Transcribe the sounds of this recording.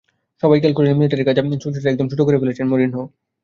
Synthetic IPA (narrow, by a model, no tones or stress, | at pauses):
ʃɔbajkalkoɾenmiliʈeɾeɾkad͡ʑapnit͡ɕʰulʈeʈeɾɛk̚d̪omt͡ɕʰuʈokoɾebelet͡ɕʰenmoɾinɦo